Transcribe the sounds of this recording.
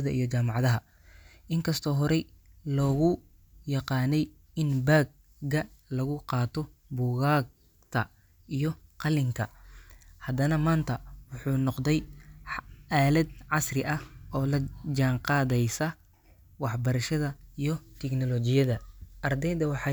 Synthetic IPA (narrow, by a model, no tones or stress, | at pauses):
ðɐʔḭjɔt͡ʃaːmɑʕðɐɦɐ | ʔɪŋkʰɐst̪ʰɔːɦɔɾɛ | lɔːɣʊ | jɑqɑːnɛj | ɪnbaːɡ̚ | ɡɐlɐɣʊqɑːt̪ʰɔbʊːɣaːɡ | t̪ʰɐ | ʔijɞqɑlɪŋkʰɐ | hɐd̪ɐnɐmaːnt̪ʰɐwʊħuːnɔqd̪ɛj | aːlɛd̪ʕɑsrɪʔɐhɔːlɐd͡ʒaːŋqɑːðɛjsɐ | wɑħbɐɾɐʃɐðɐijɞt̪ʰɛknɔlɔt͡ʃɪjɐðɐʔɐrd̪ɛjd̪ɐwɑħɑ